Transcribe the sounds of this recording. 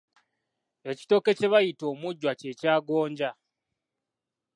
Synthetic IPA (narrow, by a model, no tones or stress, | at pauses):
e̞ci̥to̞ke̞ce̞βajito̞ːmuɟːwace̞caːɡoːɲɟa